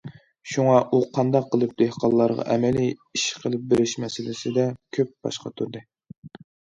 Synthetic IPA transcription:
ʃuŋɑʔuqʰɑnd̪ɑqʰːəlˠɨp̚d̪̥ehqʰɑnˠlːˠɑɾʁɑ̰ʔɛmɛliiʃqʰəlˠɨp̚beɾɪʃmɛsɪlɪsɪd̪ɛkʲʰøp̚b̥ɑ̰ʃqɑ̰t̪ʰuɾd̪ɨ

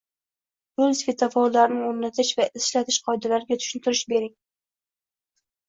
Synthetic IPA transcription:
bʊlsvet̪ʰafɒlˠːaɾnɪoɾnat̪ʰɪʃvaɪslat̪ʰɪʃqʰɒjd̪alaɾɪɡʲat̪ʰʊ̥ʃɪnt̪ʰɪɾɪʃbe̞ɾɪŋ

